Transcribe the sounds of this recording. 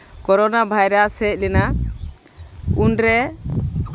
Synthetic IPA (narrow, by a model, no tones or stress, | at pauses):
kɔɾɔnabʱajɾasɛc̚ˀlɛna | unɾɛ